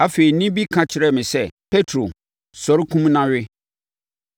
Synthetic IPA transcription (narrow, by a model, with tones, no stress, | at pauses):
a˦fe˨i˨nĩ˦bi˦kʰã˨t͡ɕʰɪ˨ɾɛ˦˨mɪ̃˨sɛ˦pʰe˦tʰɾo˨ | sɔ˨ɾɪ˦kʰũ˦mnã˦ɥɪ˦